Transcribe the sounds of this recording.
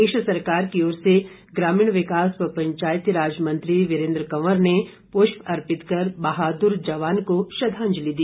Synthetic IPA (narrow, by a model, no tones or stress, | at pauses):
eːʃəsɐɾkaːɾkioːɾse | ɡɾaːmiːɽ̃ʋɪkaːspɐpɐ̃ɲt͡ʃaːjət̪ɾaːd͡ʒmɐ̃nt̪ɾiʋɪɾẽːnd̪ɾəkɐʋəɾne | poʃpɐɾpɪt̪kɐɾbɐɦaːd̪ʊɾd͡ʒɐʋaːnkoʃɐd̪ʱãːɲd͡ʒlid̪i